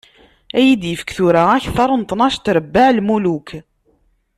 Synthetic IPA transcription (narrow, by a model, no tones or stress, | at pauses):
æjid̪jəfə̥kθuɾaæçθɑɾˤnt̪ˤnɑʃt̪ɾəbːaʕlmuluk